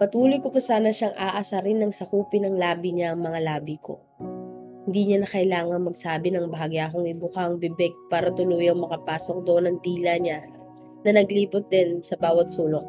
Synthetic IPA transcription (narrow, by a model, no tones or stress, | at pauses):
pɐt̪uːlojkopɐsaːnɐʃaŋʔaːʔɐsaɾɪnːɐŋsɐkuːpɪnɐŋlaːbiɲaʔɐŋmɐŋalaːbikʰo̞̰ | hɪnd̪iɲanɐkɐʔɪlaːŋɐŋmɐɡsaːbɪnɐŋbɐaːɡɪʔɐkoŋʔɪbʊkaŋbɪbɛɡ̚paːɾɐt̪ʊluːjɐŋmɐkɐpaːso̞k̚d̪oʔnɐŋd̪iːlɐɲa | nɐnɐɡliːpot̪̚d̪ɛnsɐbaːwɐt̪̚suːlok̚